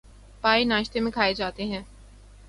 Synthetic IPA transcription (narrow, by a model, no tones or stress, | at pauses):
paːinaːʃt̪emẽkʰaːed͡ʒaːt̪eɦɛ̃ː